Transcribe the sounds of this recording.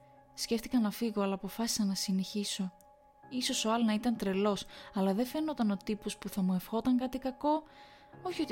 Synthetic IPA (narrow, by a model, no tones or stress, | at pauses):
sceft̪i̥kɐnɐfiɣo̞ɐlɐːpo̞fɐsi̥sɐnɐsineçiso̞ | iso̞so̞ɐlnɐit̪ɐnt̪ɾe̞lo̞sɐlɐðefe̞no̞t̪ɐno̞t̪ipo̞spuθɐmue̞fxo̞t̪ɐŋkɐt̪ikɐko̞ | oçio̞t̪